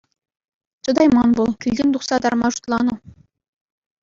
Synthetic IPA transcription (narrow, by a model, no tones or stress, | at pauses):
t͡ɕɤ̆d̪ɑjmɑnbulˠkʲilʲdʲenʲd̪uχsɑd̪ɑrmɑʒu̥t̪lˠɑnɤ̆